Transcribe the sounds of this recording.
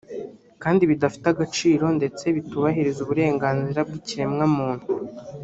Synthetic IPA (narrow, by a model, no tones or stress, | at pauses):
kaːndiβidafi̥taɡat͡ʃiːɾo̞nde̞t͡se̞βituβaɦiɾizuβuɾe̞ːŋɡaːnziɾab̚ɡiciemŋamuːn̥hu